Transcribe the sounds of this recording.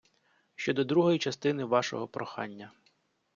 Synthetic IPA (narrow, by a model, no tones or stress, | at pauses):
ʃt͡ʃɔd̪ɔd̪ɾuɦɔjit͡ʃɐst̪ɪnɪʋɑʃɔ̰ɦɔpɾɔxɑ̰nʲːɐ